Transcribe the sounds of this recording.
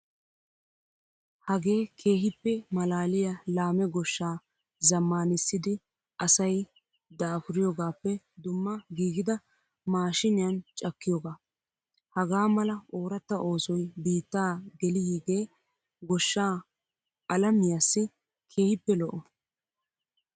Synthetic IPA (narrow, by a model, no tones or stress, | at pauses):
hɐɡe̞ːkʰe̞ːhɪpːɛmɐlaːlɪjɐlaːmɛɡɔʃːaː | zɐmːaːnɪsːɪd̪ɪ | ʔɐsɐj | d̪aːfʊɾɪjoːɡaːpːɛ | d̪ʊmːɐɡiːɡɪd̪ɐ | maːʃɪnɪjɐnt͡ʃʼɐkːɪjoːɡaː | hɐɡaːmɐlɐʔo̞ːɾɐt̪ːɐʔo̞ːsɔjbiːt̪ːaːɡɛlɪhiːɡe̞ː | ɡɔʃːaː | ʔɐlɐmɪjasːɪ | kʰe̞ːhɪpːɛlɔʔɔ